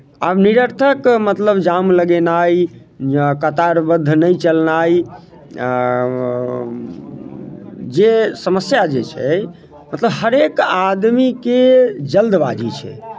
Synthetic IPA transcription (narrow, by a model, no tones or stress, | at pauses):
a̰bniɾəɾt̪ʰəkmət̪ləbd͡ʒamləɡenai | kət̪aɾbəd̪ʱːnəjt͡ʃəlnai | d͡ʒesəməsjad͡ʒet͡ʃʰɛ̰ | mət̪ləbɦəɾekad̪miked͡ʒəld̪bad͡ʒʱit͡ʃʰɛ̰